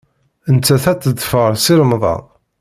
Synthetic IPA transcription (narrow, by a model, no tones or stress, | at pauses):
ənt͡sːæθæt͡sːəd̪fəʁəɾsiɾəmðˤɑ̰